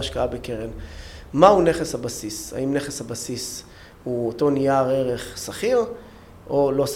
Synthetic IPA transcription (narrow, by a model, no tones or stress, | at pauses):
aʃkaabekeʁenmaune̞χeshabasisa̰imne̞χeshabasis | huoto̞nijaʁe̞ʁe̞χsaχiʁ | ʔolo̞s